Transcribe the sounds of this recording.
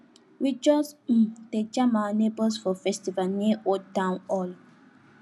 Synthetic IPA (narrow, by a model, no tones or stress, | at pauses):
wid͡ʒɔs̩tet͡ʃãmanebəlsfɔfɛstivalniʔotãʊ̃nɔl